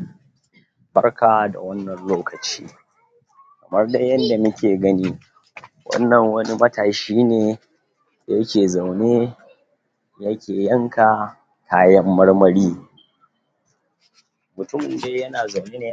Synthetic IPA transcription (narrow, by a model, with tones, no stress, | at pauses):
bɐ˦rkaː˨da̰˨wɐ˦nːɐ˨nloː˦kɐ˨t͡ʃḭː˦ | kɐ˨mɐ˦rda˦jɐ˦nda˨mɐ˦kʲʰeː˨ɡɐ˦niː˦ | wɐ̰˦nːɐ˨ŋwɐ˦ni˦mɐ˦tʰaː˨ʃiː˦neː˨ | jɐ˦kʲeː˨za˨wneː˦ | jɐ˦kʲeː˨jɐ˦ŋka˨ | kʰaː˦jɐ˦mːɐ˦ɽmɐ˦ɽiː˦ | mʊ˨tʊ˦˨mde˦jɐ˦naː˨za˨wneː˦neː˨